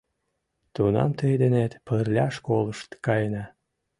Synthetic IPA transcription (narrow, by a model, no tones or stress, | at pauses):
t̪unɑ̰mt̪əjd̪enet̪pərlʲɑʃkoləʃt̪kɑjnɑ